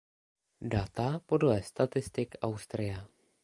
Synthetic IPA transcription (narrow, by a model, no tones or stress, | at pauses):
dat̪apo̞dlɛst̪at̪ɪst̪ɪkawst̪ɾɪja